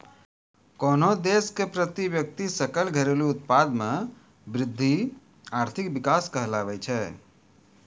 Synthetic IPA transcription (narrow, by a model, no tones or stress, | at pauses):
konod̪eskepɾət̪ibjək̚t̪isəkəlɡʱəɾeluut̪̚pad̪me | bɾɪd̪ʱːi | aɾt̪ʰikbikaskəɦlaʋɛt͡ʃʰɛ